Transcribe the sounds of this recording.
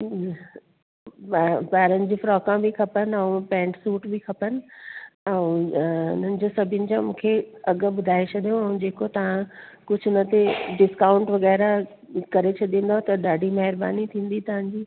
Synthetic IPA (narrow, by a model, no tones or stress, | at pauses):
baːɾənɪ̆d͡ʑiːfɾɔːkãbikʰɐpənɛ̃ũpɛ̃ːɳʈsuːʈbʱikʰɐpənɪ̆ɛ̃ũʊn̤ənɪ̆d͡ʑosɐbʱɪjʊnɪ̆d͡ʑãmũːkʰeɐɠ̆ɓʊd̪ʱaːet͡ɕʰɐɗijõɛ̃ũd͡ʑeːkot̪ɐʋ̤ãkʊd͡ʑʱʊnət̪eɖɪskaːʊ̃ɳʈʋɐɣɛːɾa | kɐɾet͡ɕʰɐɗĩːn̆d̪aɦt̪ɐɗaːɖʱimɐɦɪɾba̰ːnit̪ʰĩːn̆d̪it̪ɐʋ̤ãɲd͡ʑiː